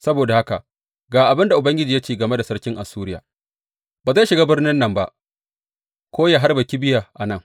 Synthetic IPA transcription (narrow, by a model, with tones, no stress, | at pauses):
sɐ˦boː˨da˨ha˦ka̰˨ | ɡaː˨ʔa˨bɪ˦nda˨ʔʊ˨bɐ˦ŋɡʲɪ˦d͡ʒiː˨ja˦t͡ʃeː˦˨ɡɐ˨me˦da˨sɐ˦ɽkʲɪ˦ŋʔa˨suː˦ɾɪ˦ja̰ː˨ | baː˨za˦˨ʃɪ˨ɡaː˦bɪ˦rnɪ˦nːɐ˨mba˦ʔ | kʷoː˦jaː˨ɦa˦rbɐ˨kʲi˦bɪ˦ja˨ʔa˨nɐ˦ŋ